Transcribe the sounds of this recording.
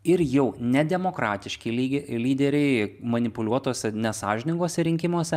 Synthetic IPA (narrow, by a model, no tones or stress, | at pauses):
ɪɾjɛʊnʲɛd̪ʲɛmoːkɾɑːt̪ʲɪʃʲkʲɪlʲiɡʲlʲiːd̪ʲɛɾʲɛɪmɐnʲɪpʊlʲuɔt̪oːsʲɛnʲɛsɑːʒʲɪnʲɪŋɡoːsʲɛɾʲɪŋʲkʲɪmuɔsʲɛ